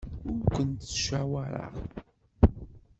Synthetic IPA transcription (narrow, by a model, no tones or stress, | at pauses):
ʊɾkʷːənt̪ːʃawaɾə̰ʁ